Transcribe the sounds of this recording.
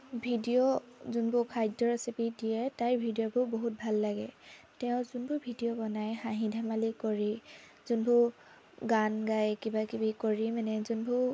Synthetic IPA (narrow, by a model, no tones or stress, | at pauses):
bʱidijɔzunbʊkʰajdɔɹasipidijɛtajbʱidijɔbʊboɦut̚bʱalːaɡɛ̰ | tɛʊ̃zunbʊɹbʱidijɔbɔnajxaɦĩdʱamalikoɹi | zunbʊ | ɡanɡajkibakibikoɹimanɛzunbʊ